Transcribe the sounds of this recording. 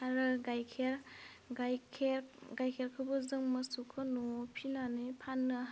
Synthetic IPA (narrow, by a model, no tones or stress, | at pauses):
aɾɯɡajkʰeɾ | ɡʰeɡajkʰeɾkʰɯbɯzɯŋmɐsukʰɯnɔpʰinanɯpʰanːɯ